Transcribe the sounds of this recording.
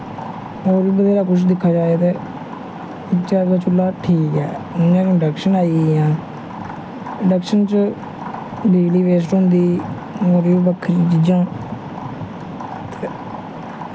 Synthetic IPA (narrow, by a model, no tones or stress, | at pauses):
oːɾibəd̪eːɾaːkʊt͡ʃʰd̪ɪkʰːaːd͡ʒaːet̪eː | ɪkt͡ʃaːɾd̪aːt͡ʃʰʊlːaːʈʰiːkɛːnãːkːɖəkʃənaːiːjãː | ɖəkʃənt͡ʃə | biːɡliːʋeːs̬ʈõnd̪iː | moːɾiːbəkʰːɾid͡ʒid͡ʒãː | t̪eː